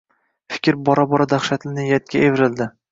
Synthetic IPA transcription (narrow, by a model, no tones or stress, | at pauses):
fɪ̥kʲɾbɒɾabɒɾad̪aχʃat̪ʰɪnɪjat̪̚ɡʲʰaevɾɪld̪ɪ